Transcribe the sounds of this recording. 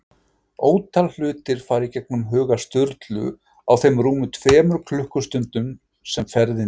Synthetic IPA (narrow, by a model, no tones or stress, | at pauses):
oːwt̪ʰall̥ʏːt̪ɪɾ̥faːɾicɛk̚nʏmɦʏːɣast̪ʏɾt̪lʏ̰ | a̰wθejmruːmʏt̪ʰvɛːmʏɾkʰlʏhkʏst̪ʏnt̪ʏm | sɛmfɛɾðɪ